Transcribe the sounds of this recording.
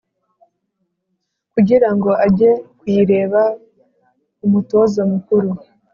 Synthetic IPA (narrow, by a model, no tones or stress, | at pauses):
kuɟiɾaŋɡo̞ʔaɟe̞kwiːɾe̞ːβa | umuto̞zamukuɾu